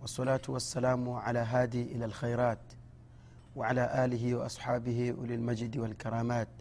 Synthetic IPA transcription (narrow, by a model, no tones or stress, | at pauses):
wɑsˤːɑlaːt̪wɑsːalaːmʕalaːɦaːd̪iʔɪlalxajɾˤɑːt̪ | wɪʕalaːʔaːlɪɦɪwɪʔɑ̰sˤħɑːbɪhiw̰lalmad͡ʒd̪walkɑɾˤɑːmaːt̪̚